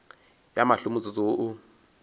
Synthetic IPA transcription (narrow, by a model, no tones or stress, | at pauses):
jamaɬʊmʊt͡sʼʊt͡sʼoʔʊ